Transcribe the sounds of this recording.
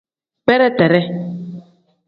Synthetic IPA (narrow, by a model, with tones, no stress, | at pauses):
pɛ˦ɾɛ˦t̪ɛ˨ɾɛ˦